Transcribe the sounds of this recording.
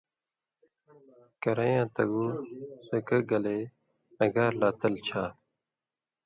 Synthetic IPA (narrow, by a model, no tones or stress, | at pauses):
kɐɾɐjãːt̪ɐɡusɐkəɡɐleː | ɐɡaːɾlaːt̪əlt͡ɕʰaː